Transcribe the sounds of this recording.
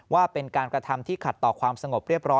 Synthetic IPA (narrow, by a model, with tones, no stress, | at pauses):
waː˥˩pe˧nkaː˧nkɾa˧t̪ʰa˧mt̪ʰiː˥˩kʰa˨˩t̪ːɔː˨˩kʰwaː˧msa˧ŋo˨˩p̚ɾi˥˩əp̚ɾɔː˦˥